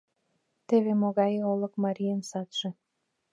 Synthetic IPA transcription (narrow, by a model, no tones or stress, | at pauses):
t̪eβemoɣɑjeolɤ̆kmɑɾʲijəmsɑt̪ʒĕ